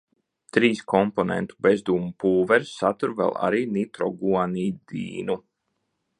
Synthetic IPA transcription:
t̪ɾiːskɔmpɔnḛnt̪u̥bezd̪uːmupuːvɛɾsːat̪uɾvɛ̰lˠa̰ɾiːnit̪ɾɔɡuaniːd̪ḭːnu

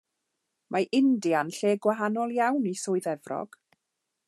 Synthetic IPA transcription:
mʔaʔɪndianɬeːɡwaɦanɔlˠjawnisʊːɨðɛvrɔ̰ɡ̥

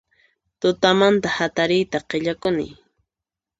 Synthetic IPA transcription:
t̪ʊt̪amant̪ahat̪aɾɪjt̪aqeʎakʊnɪ̰j

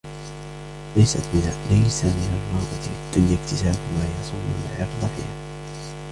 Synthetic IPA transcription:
lajsat̪mɪnalajsamɪnalmɑːʔˤɑd̪ʊljɪkt̪ɪsaːbmaːjɑsˤuːmʊlʕɑɾd̪ˤɑfḭːhaː

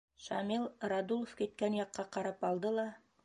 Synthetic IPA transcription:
ʃamilˠrad̪ulˠofkit̪̚kænjɑqːɑqɑɾɑpɑlˠd̪ɤlˠɑ

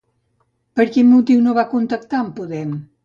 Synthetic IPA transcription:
pəɾkinmut̪iwnoβakunt̪ək̚t̪aəmpuðɛm

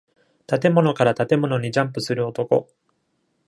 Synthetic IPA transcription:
t̪at̪e̞mo̞no̞kaɾat̪at̪e̞mo̞no̞ɲ̟iʑãmp̬ɯ̟sɨɾɯ̟o̞t̪o̞ko̞̰

